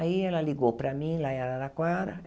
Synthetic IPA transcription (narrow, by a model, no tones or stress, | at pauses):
aiɛlaliɡopɾamĩlaɛɾalakwaɾa̰